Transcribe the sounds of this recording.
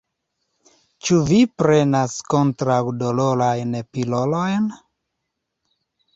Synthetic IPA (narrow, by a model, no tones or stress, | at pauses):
t͡ʃuvipɾenaskontɾawdoloɾajnpilolojn